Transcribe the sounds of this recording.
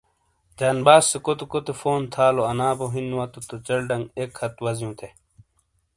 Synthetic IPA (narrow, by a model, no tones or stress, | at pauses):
d͡ʑɐnbaːsːekot̪ekot̪efoːnt̪ʰaːloɐnãːboɦinwɐt̪ot̪ot͡ɕɐlɖɐŋɡekhɐt̪wɐzjũːt̪ʰe